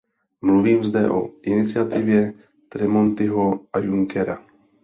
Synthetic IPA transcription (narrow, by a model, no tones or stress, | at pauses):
mluviːmzdɛʔo̰ʔɪnɪt͡sɪat̪ɪvjɛ | t̪ɾɛmont̪ɪɦoajuŋkɛɾa̰